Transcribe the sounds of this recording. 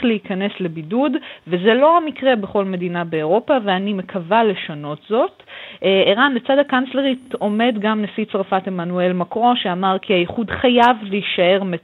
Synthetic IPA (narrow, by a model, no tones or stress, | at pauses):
leikɐne̞sle̞bidudveze̞lo̞amikʁe̞beχo̞lme̞dinabe̞oʁo̞paveanime̞kʰavale̞ʃano̞tzo̞teʁanlet͡sadakant͡sle̞ʁit̪o̞me̞dɡamnesit͡sʁafatemanue̞lmakʁo̞ʃeamaʁkʰiaiχudχajavleiʃae̞ʁme